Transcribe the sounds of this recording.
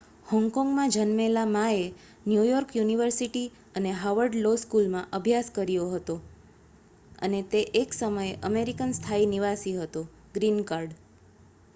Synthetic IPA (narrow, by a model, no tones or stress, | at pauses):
hɔ̃ŋkɔ̃ŋɡmãd͡ʒənmelamãe | njujɔɾkjuniʋəɾsiʈi | əneɦaʋəɾɖloskulmãʔəbʱjaskəɾjoɦət̪o | ə̰net̪eʔeksəməjeʔəmeɾikənst̪ʰainiʋasiɦət̪o | ɡɾinkaɾɖ